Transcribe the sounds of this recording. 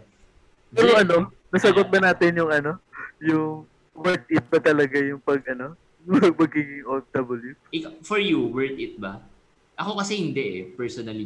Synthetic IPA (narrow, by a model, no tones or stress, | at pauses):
pɛɾoŋʔɐno̞ | nɐsɐɡot̪̚bɐnaːt̪ɪnjʊŋɐno̞jʊŋ | wɛɹt̪̚ʔɪt̪̚bɐt̪ɐlɐɡajʊŋpɐɡ̚ɐno̞ | ɐpɐɡiːɡɪŋʔond̪ɐboljuɪkafɔɹjuwɛɹt̪ɪt̪̚bɐ | ʔɐko̞kɐsɛhɪnd̪ɛʔɛpɛɹsonɐli